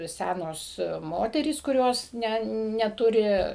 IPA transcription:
ˈsʲænoːs ˈmoːtʲɛrʲiːs kʊˈrʲoːs ˈnʲɛ nʲɛˈtʊrʲɪ

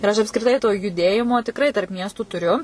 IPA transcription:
ɪr ˈɐʃ ɐpskrʲɪˈtɐɪ toː jʊˈdʲeːjɪmoː tʲɪkˈrɐɪ tɐrp ˈmʲiɛstuː tʊˈrʲʊ

